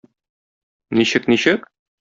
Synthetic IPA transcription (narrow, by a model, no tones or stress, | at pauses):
niɕɘkniɕɘk